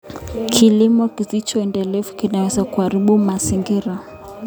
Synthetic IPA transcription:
kʰilimɔkisit͡ʃɔɛndɛlɛvukinawɛzakuaɾiɓumaziŋɡiɾa

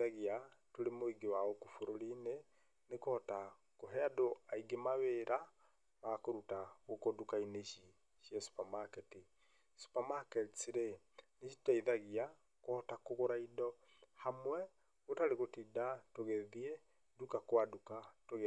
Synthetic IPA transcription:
aɣiatoɾemoiɡewaɔkufoɾoline | nekoɔta | koɦɛadoaiɡemaβeɾa | makoɾutaɣokodukaineʃi | ʃjɛsu̥pamakɛti | su̥pamakɛtsiɾe | neʃi̥taiðaɣia | kɔtakoɣoɾaidɔ | hamwɛ | ɣotaɾeɣotidatoɣɛðie | dukakwadukatoɣ

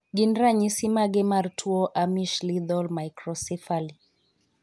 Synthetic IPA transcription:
ɡindɾaɲisimaɡɛmaɾtʰuɔʔamiʃlid̪ɔlmajkɾɔsifali

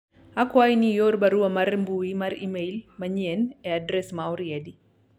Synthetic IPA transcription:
akwajnijɔɾbaɾuamaɾmbuimaɾḭmɛjlmaɲiɛnɛadɾɛsmawɾiɛdi

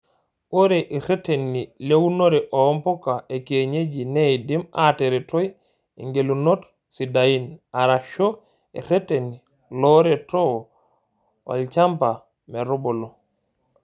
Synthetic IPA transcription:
oɾeʔiɾetenːilewunoɾɛʔompokaʔekeɲed͡ʒineidimateɾɛtoj | ḭŋɡelunot | sidajinaɾaʃo | iɾeteni | loɾeto | o̰lt͡ʃampa | meɾubɔlo

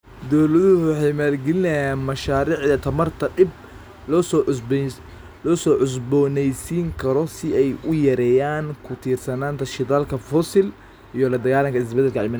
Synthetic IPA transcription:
d̪ɔwlɐðʊhʊwɑħɑjmaːlɡɛlɪnɛjaːnmɐʃaːɾiːʕðɐt̪ʰɐmɐrt̪ʰɐɖɪb̚ | lɔːs | lɔːsɔːʕʊsbɔːnɛjsiːŋkʰɐɾɔsɪɛjʊjɐɾɛːjaːŋkʰʊt̪ʰiːrsɐnaːnt̪ʰɐʃɪðaːlkʰɐfɔsɪl | ʔijɔlɐd̪ɐɣaːlɐŋkʰɐɪsbɛd̪ːɛlkʰɐʕɪ̰man

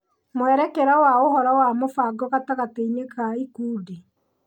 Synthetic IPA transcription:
mwɛɾɛkɛɾawaoɦɔɾawamofaɡɔɣataɣateinekaikuːde

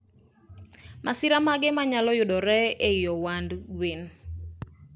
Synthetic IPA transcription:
masɪɾamaɡɪmaɲalɔjʊdɔɾɛeijɔwandɡwen

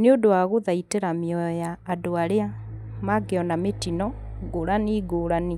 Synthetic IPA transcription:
neodoaɣoðaiteɾamiɔɔjaːdoaɾea | maɡeɔnametinɔ | ɡoɾaniɡoɾani

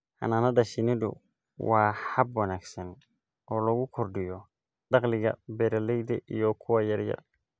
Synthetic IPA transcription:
hɐ̰naːnɐðɐʃɪnɪdʊ̰ | wɑːħɐbwɐnaːɡsɐn | ʔɔːlɐɣʊkʰʊrɖɪjɔ | ɖɑqlɪɣɐ̰bɛɾɐlɛjd̪ɐʔijɔkʰʊwɑːjɐrjɐ̰r

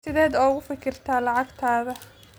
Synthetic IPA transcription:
ɪðɛːd̪ɔːʊɣʊfɪkʰɪrt̪ʰaːlɑʕɑɡt̪ʰaːðɐ

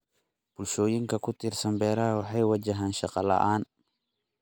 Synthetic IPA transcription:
b̥ʊlʃɔːjɪŋkʰɐkʰʊt̪ʰɪrsɐmbɛːɾɐɦɐwɑħɑjwɐt͡ʃɐɦaːnʃɑqɑlɐ̰ʔaːn

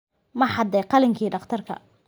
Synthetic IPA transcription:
mɐħɑd̪ɛjqɑlɪŋkʰiːɖɑqt̪ʰɐrkʰɐ̰

